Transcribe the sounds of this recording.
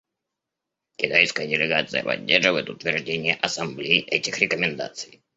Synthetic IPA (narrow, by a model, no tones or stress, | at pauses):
kʲɪt̪ajskəjədʲɪlʲɪɡat̪sɨjəpɐ̰dʲːerʐɨvəjɪt̪ʊt̪vʲɪrʐdʲenʲɪjəʔɐsɐmblʲejʔɛtʲɪxɾʲɪkəmʲɪnd̪a̰t̪sɨj